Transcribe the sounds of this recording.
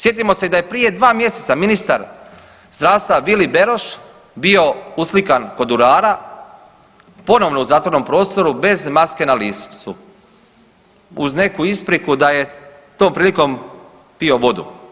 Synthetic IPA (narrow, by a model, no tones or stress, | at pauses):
sje̞t̪̬imo̞se̞d̪aje̞pɾije̞d̪ʋaːmje̞se̞t̪saminist̪aɾ | zd̪ɾaːʋst̪ʋaʋilibe̞ɾo̞ʃ | bio̞uslikanko̞d̪uɾaːɾa | po̞no̞ʋno̞uzaːt̪ʋo̞ɾno̞mpɾo̞ːst̪o̞ɾube̞zmaske̞naliːssu | uzne̞kuispɾikud̪aje̞ | t̪o̞ːmpɾiːliko̞m | pio̞ʋo̞d̪ṵ